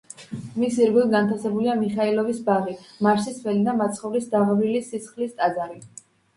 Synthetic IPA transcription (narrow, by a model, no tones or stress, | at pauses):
misiɾɡilˠɡant̪ʰasɛbuliamiχailɔvisbaʁimaɾsisvɛlid̪amat̪sʰχɔvɾisd̪aʁɾilisisχlist̪ʼad̪zaɾi